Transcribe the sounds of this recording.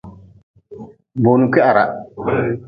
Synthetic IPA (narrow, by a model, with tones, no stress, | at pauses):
bo˨nu˨kɛ˦ʔa˨ɾa̰˨